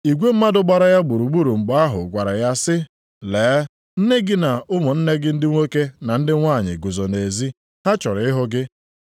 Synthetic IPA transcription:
i˨ɡʷe˦m̩˦ma˦dʊ˦ɡ͡ba˨ɾa˨ja˦ɡ͡bu˨ɾu˨ɡ͡bu˦ɾu˨ŋ͡m̩˨ɡ͡ba˦ɦʊ̰˨ɡʷa˨ɾa˨ja˦sɪ˦ | leː˨˦ | n̩˦ne˦ɡɪ˦na˨ʊ˦mʊ˨n̩˦ne˦ɡɪ˦n̩˦dɪ˦ŋʷe˦ke˦na˨n̩˦dɪ˦ŋʷa˦˨ɲɪ̰˨ɡʊ˨zɔ˨ne˨zi˦ | ha˦t͡ʃɔ˨ɾɪ˨ɪ˦ɦʊ˦ɡɪ˦

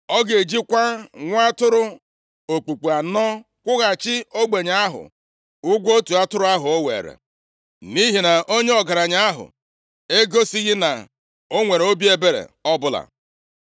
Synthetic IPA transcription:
ɔ˦ɡe˨e˨d͡ʒi˦kʷa˦ŋʷ˦a˦tʊ˦ɾʊ˦ | o˨k͡pu˨k͡pu˨a˨nɔ˦ | kʷʊ˦ɣa˨t͡ʃɪ˦o˦ɡ͡be˨ɲa˦a˦ɦʊ̰˨ | ʊ˦ɡʷo˦tu˨a˦tʊ˦ɾʊ˦a˦ɦʊ˨o˦wḛː˨ɾḛ˨ | ni˦ɦi˨na˨ʔo˦ɲe˦ɔ˨ɡa˨ɾa˨ɲa˦a˦ɦʊ̰˨ | e˦ɡo˦si˦ɣɪ˦na̰˨ | o˦ŋʷe˨ɾo˦bi˦e˦be˨ɾḛ˨ɔ˦bʊ˦la̰˨

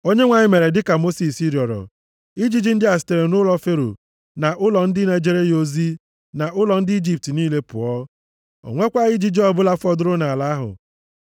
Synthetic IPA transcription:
o˦ɲe˦ŋʷa˨ɲɪ˦me˨ɾe˨dɪ˦ka˨mo˦si˨si˦ɾjɔ˨ɾɔ̰˨ | i˦d͡ʒi˦d͡ʒi˦n̩˦dɪ˦a˨sɪ̥˨te˨ɾe˨nʊ˦lɔ˦fe˦ɾo̰˨ | na˨ʔʊ˦lɔ˨n̩˦dɪ˦ne˨d͡ʒe˦ɾe˦jo˦zi˦ | na˨ʔʊ˦lɔ˨n̩˦dɪ˦i˦d͡ʒi˦p̚ti˨niː˦le˦pʊ̰˨ɔ˦ | o̰˨ŋʷe˦kʷa˦ɪ˦d͡ʒi˦d͡ʒi˦ɔ˦bʊ˦la˦fɔ˦dʊ˦ɾʊ˦na˨la˨˦ɦʊ̰˨

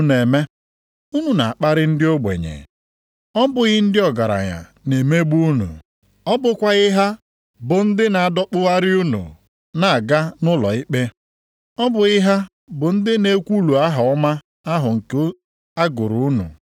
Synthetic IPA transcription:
ne˨me˦ | u˦nu˨na˨a˨k͡pa˦ɾɪ˦n̩˦dɪ˦o˦ɡ͡bḛ˨ɲḛ˨ | ɔ˦bʊ˨ɣɪ˦n̩˦dɪ˦ɔ˨ɡa˨ɾa̰˨ɲa̰˨ne˨me˦ɡ͡bu˦u˦nṵ˨ | ɔ˦bʊ˨kʷa˦ɣɪ˦ɦa˦ | bʊ˨n̩˦dɪ˦na˨a˨dɔ˦k͡pʊ˦ɣa˦ɾɪ˦u˦nṵ˨ | na˨a˨ɡa˦nʊ˦lɔ̰˨ɪ˦k͡pe˦ | ɔ˦bʊ˨ɣɪ˦ɦa˦ | bʊ˨n̩˦dɪ˦ne˦kʷu˦lu˨a˦ɦa˨ɔ˦ma˦ | a˦ɦʊ˨ŋ̩˨ko˦ | a˦ɡʊ˨ɾu˨u˦nṵ˨

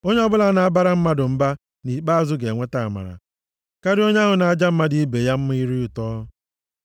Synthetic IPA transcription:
o˦ɲe˦ɔ˦bʊ˦la˨˦na˨a˦ba˦ɾa˦m̩˦ma˦dʊ˨m̩˦ba˦ | ni˨k͡pa˦a˦zʊ˦ɡe˨ŋʷe˦ta˨a˨ma̰˨ɾa̰˨ | ka˦ɾɪ˦o˦ɲe˦a˦ɦʊ˨na˨a˦˨d͡ʒa˦m̩˦ma˦di˦i˦be˨ja˦m̩˦m˦i˦ɾi˦u˨tɔ˦

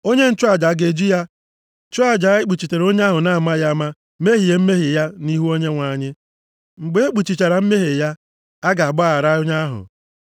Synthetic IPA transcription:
o˦ɲe˦n̩˨t͡ʃu˦a˦˨d͡ʒa˨˦ɡe˨d͡ʒi˦ja˦ | t͡ʃʊ˦a˨d͡ʒa˨˦ɪ˦k͡pu˨t͡ʃi˨t͡ʃe˨ɾo˦ɲe˦a˦ɦʊ˨na˦˨ma˦ja˦ma˦ | me˦ɦi˨je˨m̩˦me˦ɦɪ˨ja˦ni˦ɦu˦o˦ɲe˦ŋʷa˨ɲɪ˦ | ŋ͡m̩˨ɡ͡be˨˦e˦k͡pu˨t͡ʃi˨t͡ʃa˨ɾa˨m̩˦me˦ɦe˨ja˦ | a˦ɡa˨ɡ͡ba˦˨a˨ɾa˦o˦ɲa˦a˦ɦʊ̰˨

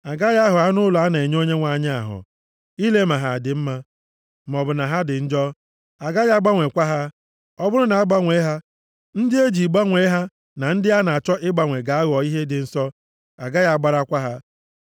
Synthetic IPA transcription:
a˨ɡa˦ja˦ɦʊ˨a˦nʊ˦lɔ˨a˦n˨e˨ɲ˦o˦ɲe˦ŋʷa˨ɲ˦a̰˨ɦʊ̰˨ | i˦le˦ma˨ɦa˨dɪ˨m̩˦ma˦ | m˨ɔ˨bʊ˨na˨ɦa˦dɪ˨n̩˦d͡ʒɔ˦ | a˨ɡa˦ja˦ɡ͡ba˦ŋʷe˨kʷa˦ɦa˦ | ɔ˦bʊ˦ɾʊ˦na˨a˦ɡ͡ba˦ŋʷe˨˦e˦ɦa˦ | n̩˦dɪ˦e˦d͡ʒi˨ɡ͡ba˦ŋʷe˨˦ɦa˦ | na˨n̩˦dɪ˦a˦na˨a˨t͡ʃɔ˦ʔɪ˦ɡ͡ba˨ŋʷe˨ɡa˨a˦ɣɔ˨i˦ɦe˦dɪ˨n̩˨sɔ˦ | a˨ɡa˦ja˦˨ɡ͡ba˦ɾa˦kʷa˦ɦa˦

